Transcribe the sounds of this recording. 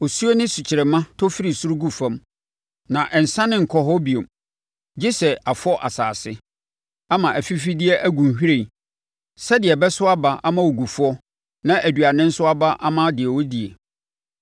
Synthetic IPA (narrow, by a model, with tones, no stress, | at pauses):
o˨su˦o˦nɪ̃˦su˨t͡ɕʰɪ˨ɾɛ˨mã˦tʰɔ˦fi˦ɾi˨su˦ɾu˦ɡu˨fã˦m | nã˨ʔɛ˨n̩˨sã˦nɪ̃˦ŋ̩˨kʰɔ˦ɦɔ˦bi˨o˨m | d͡ʑɪ˦sɛ˨ʔa˨fʊ˦ɔ˦ʔa̰˨sa̰ː˨sɪ˦ | a˦mã˨ʔæ˨fi˦fi˦dɪ˦ɛ˦ʔæ˦ɡũ˨n˨hᶣi˦ɾẽ˨ | sɛ˦dɪ˨ɛ˨bɛ˦sʊ˦a˦ba˨ʔa˦mã˦wo˨ɡu˨fɔ˦ | nã˦ʔæ˨dɥa˨nɪ̃˦n̩˦sʊ˦a˦ba˦ʔa˦mã˦dɪ˨ɛ˨wɔ˦di˨ḛ˨